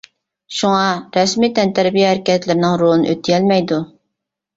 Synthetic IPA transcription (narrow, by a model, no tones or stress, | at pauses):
ʃuŋɑɾɛsmit̪ɛnt̪ʰæɾbijɛhæɾɪkʲɛt̪lɪɾɪnɪŋɾolˠɨnɨ̰ʔøt̪ʰːɪjɛlmɛjd̪u